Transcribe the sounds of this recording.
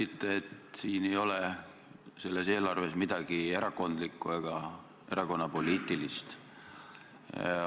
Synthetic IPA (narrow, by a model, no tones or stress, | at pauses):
sit̪ːeet̪siːne̞jo̞le | se̞lːe̞se̞ːlɑrve̞smid̪̥ɑɡ̥ie̞ɾɑko̞nd̪likːˑue̞ɡ̥ɑ | e̞ɾɑko̞nːɑpo̞liːt̪ːˑilist̪